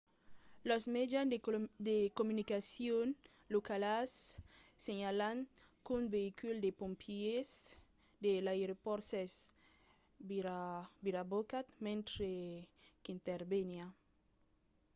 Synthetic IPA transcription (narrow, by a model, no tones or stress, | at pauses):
losmed͡ʒand̪ekomunikasjon | lokalasː | eɲalaŋ | kunbeikuld̪epompʰies | d̪elaeɾopoɾses | biɾabokat̪mẽnt̪ɾekint̪eɾbenja